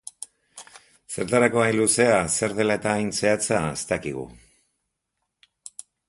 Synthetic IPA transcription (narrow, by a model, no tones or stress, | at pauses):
se̞ɾt̪aɾako̞ajnluse̞ase̞ɾð̞e̞laet̪aːjnse̞at͡saḛst̪akiɣ̞ṵ